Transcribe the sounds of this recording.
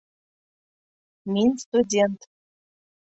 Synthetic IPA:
mʲinʲst̪udʲent̪

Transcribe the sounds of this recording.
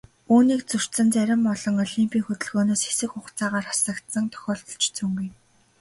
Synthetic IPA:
uːniːkt͡sɵr̥sə̆nt͡sæɾʲɪ̆mpɔɮɞ̆ŋɔɮimpʰiːŋxɵt̪ɵ̆ɮɣoːnoːsxesɘ̆kχʊχt͡saːʁaːrχḁsə̆kt̪sə̆ŋt̪ʰœ̥xʲɔːɬt̪ɞ̥̆ɬt͡ɕt͡suŋɡuj

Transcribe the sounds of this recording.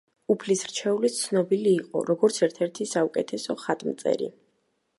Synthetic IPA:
upʰlisɾt͡ʃʰɛulit̪sʰnɔbiliːqʼɔ̰ɾɔɡɔɾt̪sʰɛɾt̪ʰɛɾt̪ʰisaukʼɛt̪ʰɛsɔχat̪ʼmt̪sʼɛ̰ɾḭ

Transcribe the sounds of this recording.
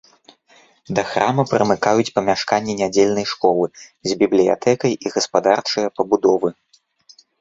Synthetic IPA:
d̪ɐxɾamɐpɾɐmɨkajut͡sʲpɐmʲaʂkanʲːɛnʲad͡zʲelʲnɐjʂkɔlˠɨzʲbʲiblʲija̰t̪ʰɛkɐjiɣɐspad̪art͡ʂɐjɐpɐbud̪ɔvɨ

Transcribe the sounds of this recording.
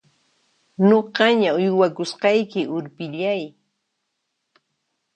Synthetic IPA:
noɢɑɲaʊjwakʊsqɑjkɪʔʊɾpɪʎaj

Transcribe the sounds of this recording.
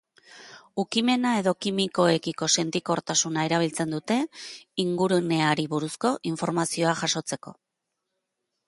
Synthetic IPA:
ukime̞nae̞ðo̞kimiko̞e̞kiko̞se̞nt̪iko̞ɾt̪asunae̞ɾaβ̞ilt͡se̞nd̪ut̪e̞iŋɡuɾune̞aɾiβuɾusko̞ʔiɱfo̞ɾmasio̞aʝaso̞t͡se̞ko̞̰

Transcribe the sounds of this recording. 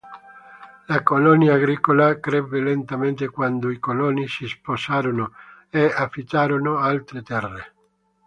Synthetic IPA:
lakolɔnjaːɡɾiːkolakɾɛbːelent̪ament̪ekwand̪oikolɔnisisposaːɾono | eafːit̪ːaːɾonoalt̪ɾet̪ɛrːe

